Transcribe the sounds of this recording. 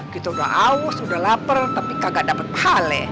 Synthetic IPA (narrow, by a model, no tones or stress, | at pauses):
kit̪auda̰ɦʔaʊsudahlapərt̪apikaɡaʔdapət̪̚pə̥halɛ̰